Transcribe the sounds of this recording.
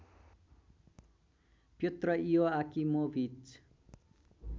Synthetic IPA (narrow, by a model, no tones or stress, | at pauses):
pjot̪rʌijoakimobʱit͡s